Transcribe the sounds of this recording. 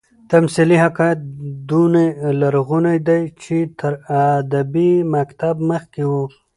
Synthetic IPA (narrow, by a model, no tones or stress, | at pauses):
t̪amsilihakɑjat̪̚d̪unelaɾɣunajd̪ajt͡ʃet̪ʰəɾad̪abimakt̪abməxkewu